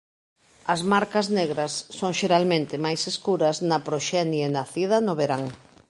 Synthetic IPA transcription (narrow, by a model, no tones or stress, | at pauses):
ɐzmaɾkɐzneɣɾɐsːoŋʃeɾalmẽnt̪ɪmajseskuɾɐznɐpɾoʃɛnjenaθið̞ɐnʊβeɾaŋ